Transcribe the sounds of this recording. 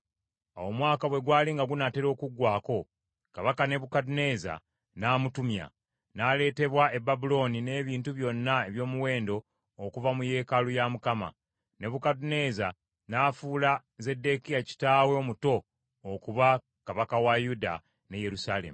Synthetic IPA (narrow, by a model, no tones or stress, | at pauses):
a̰womwaːkaβwe̞ɡwaːliŋɡaɡunate̞ɾo̞ːkuɡwaːko̞ | kaβakane̞βukadune̞za̰ | naːmutumja̰ | nale̞ːte̞βwae̞babulo̞nine̞ːβiːntuβjo̞nːae̞βjo̞ːmuwe̞ːndo̞ː | kuvamuje̞ːkalujamukama̰ | ne̞βukadune̞za | naːfuːla | ze̞dːe̞kijaci̥taːweomuto̞ː | kuβa | kaβakawajuda̰ | ne̞je̞ɾusale̞̰mu